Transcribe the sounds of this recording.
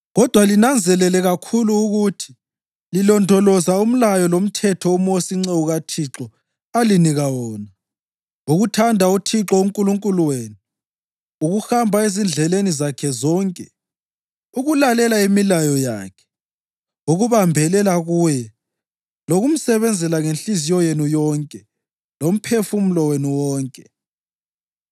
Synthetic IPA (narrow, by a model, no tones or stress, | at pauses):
ɣɔd̥ʱwalinand͡zʱɛlɛlɛɣakʰuluːɣutʰi̥ | lilɔndʱɔlɔzaum̩lajɔlom̩tʰɛtʰɔumosiŋ͡ǀeuɣatʰiǁɔ | aliniɣawɔːna | uɣutʰandʱautʰiǁɔuŋkʼuluŋkʼuluweːni | uɣuxambʱaezind͡ɮʱɛlenizakʰɛzɔːŋkʼɛ | uɣulalɛlaemilajɔja̰ːkʰɛ̥ | uɣuβambʱɛlɛlaɣuːjɛ | loɣum̩sɛβɛnd͡zʱɛlaŋenɬizijɔjenujɔːŋkʼɛ | lom̩pʰefum̩lɔwenuwɔːŋkʼɛ